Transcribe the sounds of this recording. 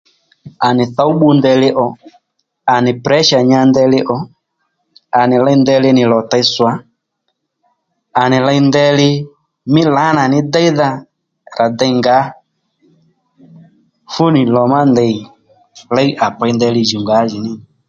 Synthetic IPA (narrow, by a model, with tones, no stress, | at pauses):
a˨nɪ˨θa˦u˦ɓu˧ndɛ˧lɪ˧ʔɔ˨ | a˨nɪ˨pɾɛ˨˦ʃa˨ɲa˧ndɛ˧lɪ˦ʔɔ˨ | a˨nɪ˨la˦˧jndɛ˧lɪ˧nɪ˨lɔ˨ta˧jswa˨˦ | a˨nɪ˨la˧jndɛ˧lɪ˧ | mɪ˦la˨˦na˨nɪ˦dɛ˦i˦ða˧ | ɾʔa˨dɛ˧˨ŋɡa˨˦ | fu˦nɪ˨lɔ˨ma˦ndɛ˧˨i˨ | la˦jʔa˨pa˧jndɛ˧lɪ˧d͡ʒu˨ŋɡa˨˦d͡ʒɪ˨nɪ˦˨